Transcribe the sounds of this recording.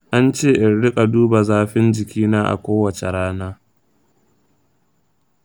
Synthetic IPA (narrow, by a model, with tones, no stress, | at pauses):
ʔa˦nt͡ʃeː˦˨ʔɪ˨nɽɪ˦kʼa˨duː˦ba˨zaː˦ɸɪ˦nd͡ʒɪ˨kʲiː˦naː˦ʔa̰˨kʷoː˦wɐ˨t͡ʃe˨ɽaː˦naː˦